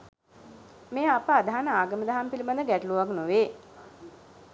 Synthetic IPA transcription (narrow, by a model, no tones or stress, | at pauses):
meːapəad̪aɦanəaːɡəməd̪aɦampilimand̪əɡæʈəluʋaknoʋeː